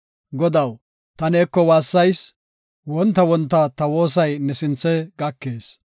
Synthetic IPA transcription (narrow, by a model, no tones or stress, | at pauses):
ɡɔd̪ɐw | t̪ɐneːkːɔwaːsːɐjs | wɔnt̪ːɐwɔnt̪ːɐt̪ɐwo̞ːs̬ɐjnɛsɪnt͡sːɛɡɐkːe̞ːs